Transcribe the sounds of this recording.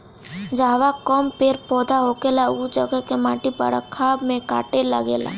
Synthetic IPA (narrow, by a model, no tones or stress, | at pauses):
d͡ʒaːʋakɔmpeːɾpɔːd̪aɦokelaud͡ʒəɡəkemaːʈipə̰ɽəkʰːaːbmẽka̰ːʈelə̰ɡḛːla̰ː